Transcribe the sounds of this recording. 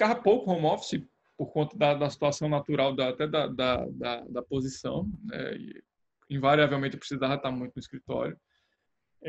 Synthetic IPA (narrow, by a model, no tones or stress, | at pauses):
kaɦɐpowkʊhõmɔfi̥sɪ | poɾkõnt̪ɐd̪ɐd̪ɐsi̥t̪uasɐ̃w̃nat̪uɾawd̪ɐat̪ɛd̪ɐd̪ɐd̪ɐd̪ɐpozisɐ̰̃w̃nɛ̰ɪ̰ | ĩvaɾiavewmẽt̪ɪpɾisizavɐt̪aɾmũj̃t̪ʊnʊiskɾit̪ɔ̰ɾjʊ